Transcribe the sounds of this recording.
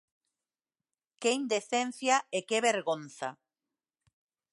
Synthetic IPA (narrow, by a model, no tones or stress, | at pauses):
keind̪eθen̟θjaekeβeɾɣonθa̰